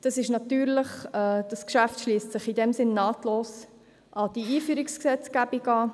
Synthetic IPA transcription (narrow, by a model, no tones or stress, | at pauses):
d̥ɑsɪʃnɑt̪yːɾləχɛd̥ɑskʃæftʃliːstsɪχidɛmsɪnːɑːtloːs | ʔɑd̥iiːfyːɾiksksɛt͡skæb̥iɡɑː